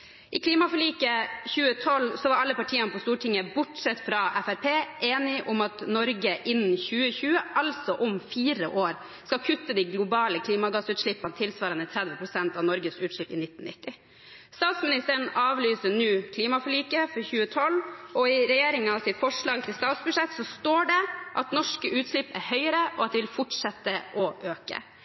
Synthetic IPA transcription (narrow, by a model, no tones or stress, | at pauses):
ʔɪkʰliːmɑfɔɭiːkəçʉːət̪ʰɔlsɔʋɑɾɑlːəpɑʈʰiːənəpɔst̪uːʈʰɪŋəbʊʈʂɛt̪ːfɾɑʔɛfæɾpʰeːʔeːnɪʔʊmɑt̪nɔɾɡəʔɪnn̩çʉːəçʉːəʔɑlsɔʔɔmfiːɾə̰ʔoːɾ | skɑkʰʉt̪ːəd̪iɪɡlʊbɑːləkʰliːmɑɡɑsʉːt̪ʂɭɪpːɑnt̪ʰɪlsʋɑːɾənət̪ʰɾɛd̪ʋəpʰɾʊsɛnt̪ɑʋnɔɾɡəsʉːt̪ʂʏlɪ̰nɪt̪ːn̩nɪt̪ːɪ | st̪ɑːt̪smɪnɪst̪əɳɑːʋlyːsəɳʉːkʰliːmɑfɔɭiːkəfɔɾçʉːət̪ʰɔlːɔɪɾɛjeːɾɪŋɑʋsɪt̪fɔʂɭɑːɡ̚t̪ʰɪlst̪ɑːt̪sbʉʂɛt̪sɔst̪oːɖɛʔɑt̪nɔʂkəʔʉːt̪ʂɭɪpːæɾhœʏəɾəʔɔɑt̪̚d̪ɛʋɪlfʊʈʂɛt̪ːəʔɔʔøːkə̰